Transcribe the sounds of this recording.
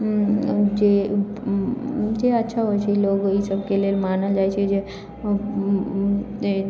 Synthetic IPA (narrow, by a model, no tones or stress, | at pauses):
d͡ʒe | d͡ʒeətːʃʰaɦojt͡ʃʰɛiloɡisəbʱkelelmanəld͡ʒajt͡ʃʰɛd͡ʒe